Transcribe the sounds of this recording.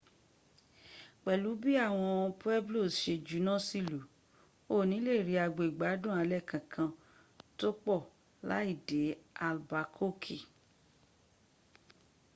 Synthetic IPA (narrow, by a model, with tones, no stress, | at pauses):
k͡pɛ˨lu˨˦bi˦a˦˨w̃ɔ̃˧pu˦ɛ˦blo˦˨ʃe˧d͡ʒu˨˦nã˦˨si˦lu˨˦ | o˦˨nĩ˨˦le˦˨ɾi˨˧˦a˧ɡ͡bo˨i˨ɡ͡ba˨˦dũ˦˨a˨˧lɛ˦˨kã˨kʰã˧ | to˦k͡pɔ˦˨ | la̰˦i˦˨de˨˦a˧˨lba˨kʰo˦kʰi˦˨